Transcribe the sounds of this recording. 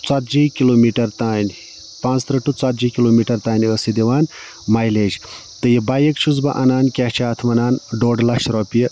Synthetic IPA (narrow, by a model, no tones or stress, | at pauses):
t͡sat̪d͡ʒikiloːmiʈɐɾt̪aːnʲ | pãːnt͡st̪ɾɐʈːut͡sat̪̚d͡ʒikiloːmiʈɐɾt̪aːnəsid̪iʋaːn | majleːd͡ʒ | t̪ɨjebajekt͡ʃʰuzbɐʔɐnaːnkʲat͡ʃʰaːt̪ʰmɐnaːnɖoːɖlɐʃɾɔpjɐ